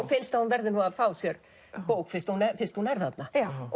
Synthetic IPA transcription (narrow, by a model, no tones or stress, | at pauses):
fɪnst̪ahunvɛɾðɪnuaðfaːwsjɛɾ | poːwkfɪnst̪hunɛfɪnst̪hunɛɾθhat̪na